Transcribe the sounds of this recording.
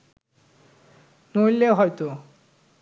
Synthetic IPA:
nojleoɦɔjt̪o

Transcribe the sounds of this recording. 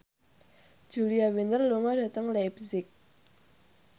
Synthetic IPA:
d͡ʑuliawend̪ərlomarət̪aŋlajp̚zik̚

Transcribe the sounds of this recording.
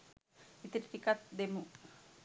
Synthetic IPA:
it̪iɾʈikat̪̚d̪emu

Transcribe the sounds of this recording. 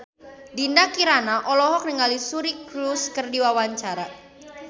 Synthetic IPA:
dindakiɾanaʔɔlɔɦɔk̚nəŋalisuɾikɾuskərdiwawaɲt͡ʃaɾa

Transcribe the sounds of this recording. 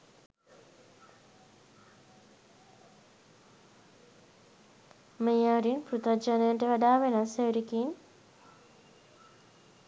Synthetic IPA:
mejaːɾinpɾut̪ɐd͡ʒanəjəɳʈəʋaɖaːʋenaseɾikin

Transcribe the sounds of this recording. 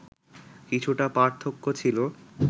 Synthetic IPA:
kit͡ɕʰuʈapaɾt̪ʰːokːot͡ɕʰilo

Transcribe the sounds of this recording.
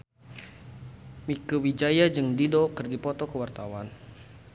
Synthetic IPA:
mikəwid͡ʒajad͡ʒɨŋdidokərɡipɔt̪ɔkəwart̪awan

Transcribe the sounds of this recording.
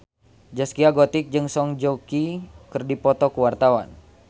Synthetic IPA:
d͡ʒaskiaɡot̪ik̚d͡ʒɨŋsɔŋd͡ʒɔkikɨrdipɔt̪ɔkəwart̪awa̰n

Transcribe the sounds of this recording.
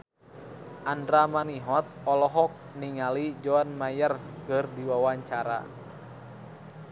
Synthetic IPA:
ʔandɾamaniɦɔt̪̚ɔlɔɦɔk̚niŋalid͡ʒɔanmajərkɨrdiwawaɲt͡ʃaɾa̰

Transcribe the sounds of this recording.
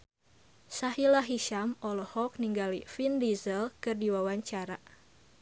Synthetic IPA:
saɦilaɦiʃamɔlɔhɔk̚niŋɡalifindizəlkɨrdiwawaɲt͡ʃaɾa

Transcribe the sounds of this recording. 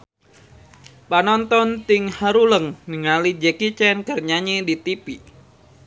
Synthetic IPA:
panɔnt̪ɔnt̪ɪŋhaɾuləŋnəŋalid͡ʒəkit͡ʃɛnkərɲaɲidit̪ipi

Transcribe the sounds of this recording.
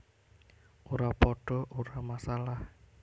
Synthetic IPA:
ʔoɾapɔɖ̥ɔ̤ʔoɾamasalah

